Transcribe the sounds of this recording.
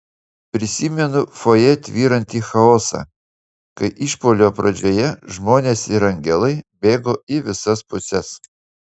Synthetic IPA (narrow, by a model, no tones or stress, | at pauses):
pʲɾʲɪsʲimʲɛnʊfojɛt̪ʲʋʲiːɾɐnʲt̪ʲiːxɐoːsɐ̰ | kɐɪʔiʃpoːlʲoːpɾɐd͡ʒʲojɛʒmoːnʲeːsɪɾɐŋʲɡʲɛlˠɐɪbʲeːɡoːɪʋʲɪsɐspʊsʲɛs